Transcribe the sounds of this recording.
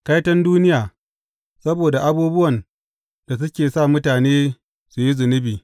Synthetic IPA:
ka˦jtɐ˦nduː˦nɪ˦jaː˨ | sɐ˦boː˨da˨ʔa˦buː˦bʊ˦wɐ˨n | d̥a˨s̬ʊ˦kʲeː˨sa˦˨mʊ˦taː˨neː˦ | su˨ji˦zʊ˨nɪ˦biː˨

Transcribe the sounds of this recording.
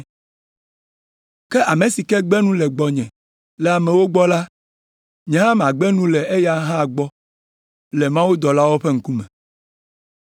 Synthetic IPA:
kɛ˦ʔa˨mẽ˨si˨kɛ˦ɡ͡bɛ˦nũ˦lɛ˨ɡ͡bɔ˨ɲɛ̃˨ | lɛ˨a˨mɛ̃˨wo˦ɡ͡bɔ˦la˦ | ɲɛ̃˨ɦã˦m˨a˨ɡ͡bɛ˦nũ˦lɛ˨e˦ja˦ɦã˦˨ɡ͡bɔ˦ | lɛ˨mã˦wu˦d̪ɔ˨la˦wo˦ɸɛ˦ŋ̩˦ku˦mɛ̰̃˨

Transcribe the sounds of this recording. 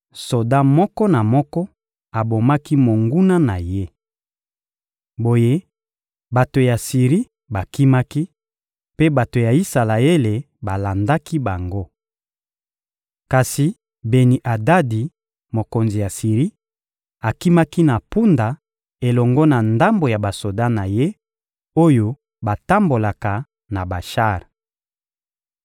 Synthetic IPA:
so˨da˦mɔ˦kɔ˦na˨mɔ˦kɔ˦ | a˨bo˨ma˦ki˦mo˨ŋɡu˦na˦na˨je˦ | bo˨je˦ | ba˨to˨ja˨si˨ʁi˦ | ba˨ki˦ma˦ki˦ | pe˦ba˨to˨ja˨i˦sa˨la˨e˦le˨ | ba˨la˨nda˦ki˦ba˨ŋɡo˦ | ka˨si˨ | be˨ni˨ʔa˨da˦di˨ | mo˨ko˨nzi˨ja˨si˨ʁi˦ | a˨ki˦ma˦ki˦na˨pu˦nda˨ | e˨lɔ˨ŋɡɔ˦na˨nda˦mbo˨ja˨ba˨so˨da˦na˨je˦ | o˦jo˦ | ba˨ta˦mbo˨la˨ka˨ | na˨ba˨ʃa˦˨ʁ

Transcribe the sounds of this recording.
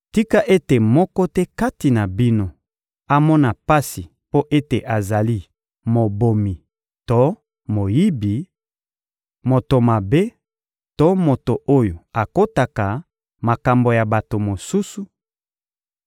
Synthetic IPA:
ti˦ka˦ʔe˦te˨mɔ˦kɔ˦tɛ˦ka˦ti˨na˨bi˦no˦ | a˦mɔ˦na˨pa˦si˨ | po˦ʔe˦te˨ʔa˨za˨li˦ | mo˨bo˨mi˨ | to˦ | mo˨ji˦bi˨ | mo˨to˨ma˨be˦ | to˦mo˨to˨ʔo˦jo˨a˨ko˦ta˨ka˨ | ma˨ka˨mbo˨ja˨ba˨to˨mo˨su˦su˨

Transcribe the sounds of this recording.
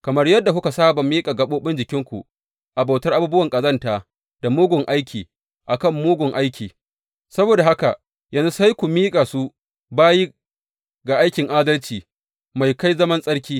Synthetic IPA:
kɐ˨mɐ˦rjɐ˦dːa˨kʊ˦ka˨saː˦bɐ˨miː˦kʼa˨ɡɐ˦ɓoː˦ɓɪ˦nd͡ʒɪ˨kʲɪ˦ŋkʷṵ˨ | ʔa˨ba˨tɐ˦rʔa˦buː˦bʊ˦wɐ˨ŋkʼɐ˨zɐ˦ntaː˨ | d̥a˨mʊː˦ɡʷʊ˨ŋʔa˦jkʲʰiː˨ | ʔa˨kɐ˦˨mːuː˦ɡʷʊ˨ŋʔa˦jkʲʰiː˨ | sɐ˦boː˨da˨ha˦ka˨ | jɐ˦nzu˦sa˦jkʷu˨miː˦kʼa˨su˦ | baː˦ji˦ | ɡa˨ʔa˦jkʲɪ˨ŋʔaː˦dɐ˦lt͡ʃiː˨ | ma˨jka˦jzɐ˦mɐ˦nsʼɐ˦ɽkʲiː˦

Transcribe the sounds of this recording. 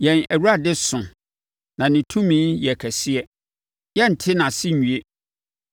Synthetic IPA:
jɛ̃˨næ˨wu˦ɾa˦dɪ˦sʊ̃˨ | nã˨nɪ̃˨tʰũ˦mĩ˦jɛ˨kʰæ˨sɪ˦ɛ˦ | jɛ˦n̩˨tʰɪ˦nã˨sɪ˦˨ɲũ˨e˦

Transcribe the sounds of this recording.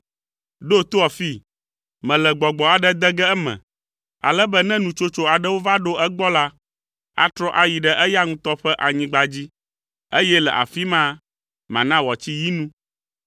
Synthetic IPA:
ɖo˦t̪o˦ɔ˨fi˦ | mɛ̃˨lɛ˨ɡ͡bɔ˨ɡ͡bɔ˨a˨ɖɛ˦d̪ɛ˦ɡɛ˦ɛ˦mɛ̰̃˨ | a̰˨lɛ˦bə˦nɛ̃˦nũ˨t͡ʃo˦t͡ʃo˦a˨ɖɛ˦wo˦va˦ɖo˦ʔɛ˦ɡ͡bɔ˦la˦ | a̰˦t̪ɾɔ˦ʔa˨ji˨ɖɛ˦ʔɛ˦ja˦ŋũ˦t̪ɔ˦ɸɛ˦ʔa˨ɲĩ˨ɡ͡ba˨d͡ʑi˦ | e˦jɛ˦lɛ̰˨ʔa̰˨fi˦mã˦ | mã˨nã˦wɔ˨t͡ɕi˦ji˦nũ˦

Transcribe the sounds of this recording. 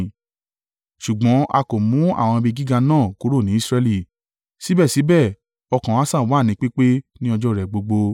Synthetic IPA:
ʃu˨ɡ͡bɔ̃˨˦ʔa˧ko˨mũ˨˦a̰˦˨w̃ɔ̃˧bi˧ɡi˦ɡa˧nãː˦˨ko˦ɾo˦˨nĩ˨˦i˦sɾɛ˧li˦˨ | si˨˦bɛ˦˨si˨˦bɛ˦˨ | ɔ˧kã˨wã˦sã˦˨wa˨˦˨nĩ˨˦k͡pe˦k͡pe˦nĩ˦ɔ˧d͡ʒɔ˦˨ɾɛ˨ɡ͡bo˧ɡ͡bo˧

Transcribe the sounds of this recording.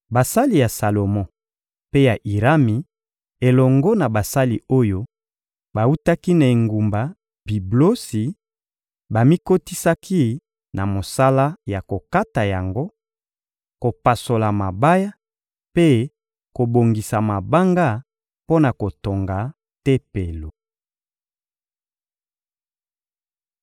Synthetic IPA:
ba˨sa˦li˨ja˨sa˨lo˨mɔ˦ | pe˦ja˨ʔi˨ʁa˦mi˨ | e˨lɔ˨ŋɡɔ˦na˨ba˨sa˦li˨o˦jo˦ | ba˨u˦ta˦ki˦na˨e˨ŋɡu˨mba˨ | bi˨blo˦si˨ | ba˨mi˦ko˦ti˦sa˦kʰi˦ | na˨mo˨sa˦la˦ja˨ko˨ka˦ta˨ja˨ŋɡo˦ | ko˨pa˨so˨la˨ma˨ba˦ja˦ | pe˦ | ko˨bo˨ŋɡi˨sa˨ma˨ba˦ŋɡa˦˨ | po˦na˨ko˨to˨ŋɡa˨ | te˦pe˨lo˨

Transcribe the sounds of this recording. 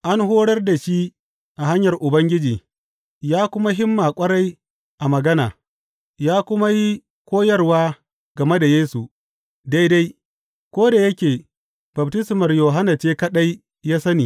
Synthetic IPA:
ʔa˦nɦoː˦ɽɐ˦rda˨ʃi˦ | ʔa˨ɦa˦ɲjɐ˨rʔʊ˨bɐ˦ŋɡʲɪ˦d͡ʒiː˨ | jaː˦kʷʊ˦ma˦ɦɪ˦mːaː˨kʷʼɐ˦ɽa˦j | ʔa˨mɐ˨ɡɐ˦na̰ː˨ | jaː˦kʷʊ˦ma˦ji˦ | kʷoː˦jɐ˦rwaː˦ | ɡ̥ɐ˨me˦da˨jeː˦su˨ | da˦jda˦j | kʷoː˦da˨jɐ˦kʲeː˨ | bɐ˨btɪ˦smɐ˨rjoː˨ɦa˦na˨t͡ʃeː˦kɐ˦ɗa˦j | jaː˦sɐ˦niː˨

